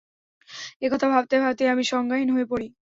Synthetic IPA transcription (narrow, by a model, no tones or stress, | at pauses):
ekɔt̪ʰabʱab̚t̪ejbʱabt̪ejamiʃɔŋɡaɦinɦoepoɾi